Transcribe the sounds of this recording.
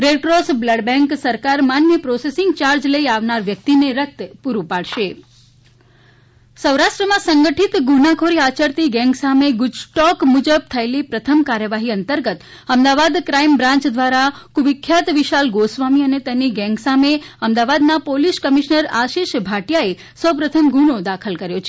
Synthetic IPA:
ɾeʈɾosbləɖbɛ̃ŋksəɾkaɾmanʋjəpɾɔsesɪŋɡt͡ʃaɾd͡ʒləiaʋnaɾʋjək̚t̪ineɾək̚t̪puɾupaɭʃe | səwɾaʃʈɾəmãsəŋɡəʈʰit̪ɡunakʰoɾiat͡ʃəɾt̪iɡɛ̃ŋɡsameɡʊd͡ʒʈɔkmud͡ʒəb̚t̪ʰəelipɾət̪ʰəmkaɾjəʋaɦiənt̪əɾɡət̪ | əmd̪aʋad̪kɾaimbɾãɲt͡ʃd̪ʋaɾakuʋɪkʰːjat̪ʋiʃalɡosʋamiənet̪eniɡɛ̃ŋɡsameəmd̪aʋad̪napoliskəmiʃnəɾaʃiʃbʱaʈjae | səwpɾət̪ʰəmɡʱuɽ̃od̪akʰəlkəɾjot͡ʃʰ

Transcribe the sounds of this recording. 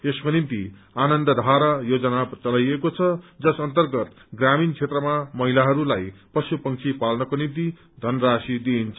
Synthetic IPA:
eskonimt̪ianʌnd̪ʌd̪ʱaɾajod͡zʌnat͡sʌlajekot͡sʰʌd͡zʌsʌnt̪ʌrɡʌt̪ɡramint͡sʰet̪rʌmamʌɦilaɦʌɾulajprʌsupʌŋt͡sʰipalnʌkonimt̪i | d̪ʱʌnrasid̪iːnt͡sʰʌ

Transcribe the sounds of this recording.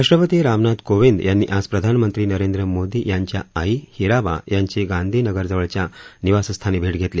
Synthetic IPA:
ɾaʂʈɾəpət̪iɾaʋnad̪koʋind̪janːḭːʔad͡zpɾəd̪ʱanmənt̪ɾiːnəɾend̪ɾəmod̪iːjaɲt͡ɕjaːihiɾaba̰jaɲt͡ɕeɡãnd̪ʱiːnəɡəɾd͡zəʋəɭt͡ɕjaniʋasəst̪ʰanebʱeʈɡʱet̪le

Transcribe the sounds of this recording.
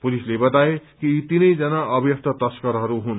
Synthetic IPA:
pulislebʌt̪aekit̪inəjd͡zʌnaʔʌbʱjʌkt̪ʰʌt̪ʌskʌɾɦʌɾuɦun

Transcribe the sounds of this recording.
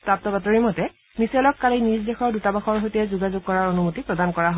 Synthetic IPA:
pɹap̚tɔbatoɹimɔtɛ | nisɛlɔkːalinizdɛxʰɔɹdutabaxɔɹɦojtɛzuɡazuɡ̚kːɔɹaɹonumutipɹɔdankɔɹaɦ

